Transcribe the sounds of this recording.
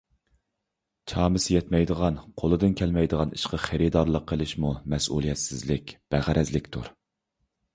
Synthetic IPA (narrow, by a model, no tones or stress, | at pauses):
t͡ʃʰɑːmɨsjɛt̪mɛjd̪əʁɑnqʰolˠɨd̪ɨnkʲʰɛlmɛjd̪əʁɑniʃqʰəχeɾɪd̪ɑɾlˠəqʰːəlˠɪʃmumɛsʔṵlˠijɛt̪sɪzlɪkʲb̥æʁæɾɛzlɪkʲt̪ʰṵɾ